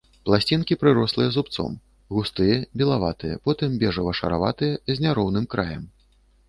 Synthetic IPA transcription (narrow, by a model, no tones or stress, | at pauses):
plˠasʲt͡sʲinkʲipɾɨɾɔslˠɨjɐzupt̪sɔ̰m | ɣust̪ɨjɐbʲilˠavat̪ɨjɐ̰pɔt̪ɨmbʲɛʐɐvɐʂɐ̰ɾa̰va̰t̪ɨjɐzʲnʲaɾɔwnɨmkɾajɐm